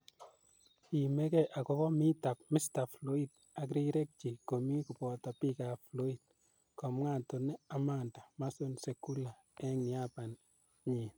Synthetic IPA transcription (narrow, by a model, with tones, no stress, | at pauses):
i˨me˦kɛ˦ʔa˨kɔ˦kɔ˦mi˦ta˨p̚mi˦sta˨flo˦i˦d̚ | a˨k̬ɾi˦ɾɛ˦k̚t͡ʃi˨ko˨mi˦ku˨pɔ˨ta˨pi˦ka˨flo˦i˨d̚ | kɔ˨mŋa˨nto˨nɛ˦a˨ma˨nda˨ma˦so˦nse˨ku˦la˨ | ɛ˦ŋi˨a˦pa˨n | ɲi˨n